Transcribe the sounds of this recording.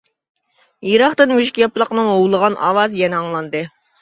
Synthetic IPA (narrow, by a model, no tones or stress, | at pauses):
jiɾɑχt̪ɨnwyʃkʲijɑplˠəqnɨŋowlˠəʁɑnʔɑ̰ːwɑzjɛnɛɑŋlˠɑnd̪ɨ